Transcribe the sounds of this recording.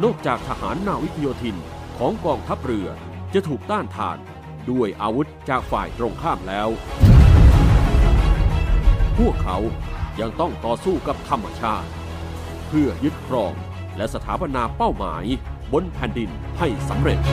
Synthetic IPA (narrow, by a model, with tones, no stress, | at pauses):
nɔː˥˩k̚t͡ɕaː˨˩k̚t̪ʰa˧ha̰ː˩˦nːaː˧˩wi˦˥t̪ʰa˧joː˧t̪ʰi˧n | kʰɔː˩˦ŋkɔː˧ŋt̪ʰa˦˥p̚ɾɯ˧˩ɐ | t͡ɕa˨˩˨t̪ʰuː˨˩k̚t̪aː˥˩nt̪ʰa̰ː˧n | du˧˩əjʔaː˧wu˦˥t̪̚t͡ɕaː˨˩k̚faː˨˩jt̪ɾoː˧ŋkʰaː˥˩mlɛː˦˥w | pʰu˥˩əkʰːa˦˥wja˧ŋt̪ɔ˥˩ŋt̪ɔː˨˩suː˥˩ka˨˩p̚t̪ʰa˧mːa˧t͡ɕʰaː˥˩t̪̚ | pʰɯ˥˩ɐjɯ˦˥t̪̚kʰɾɔː˧ŋ | lɛ˦˥sa˧t̪ʰaː˩˦˥pa˧naː˧pa˥˩wma̰ː˩˦jbo˧npʰɛː˨˩ndi˧n | ha˥˩jsa˩˦mɾe˨˩t̪̚